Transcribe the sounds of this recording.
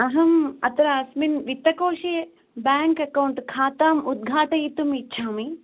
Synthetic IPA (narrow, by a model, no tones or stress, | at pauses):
ɐɦɐmɐt̪ɐɾaːsminʋit̪ːɐkoːʃeː | bjaːŋkɐkɐwɳʈkʰaːt̪aːmud̪̚ɡʱaːʈɐjit̪umiːt͡ʃʰaːmi